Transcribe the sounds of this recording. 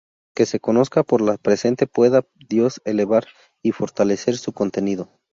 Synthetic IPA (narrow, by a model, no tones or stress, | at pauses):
ke̞se̞ko̞no̞skapo̞ɾlapɾe̞se̞nt̪e̞pwe̞ða | ðjo̞se̞le̞βaɾ | ifo̞ɾt̪ale̞se̞ɾsuko̞nt̪e̞niðo̞